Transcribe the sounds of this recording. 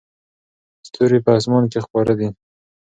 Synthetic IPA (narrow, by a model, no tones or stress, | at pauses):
st̪ʰuɾipəas̬mɑnkexpɑɾad̪i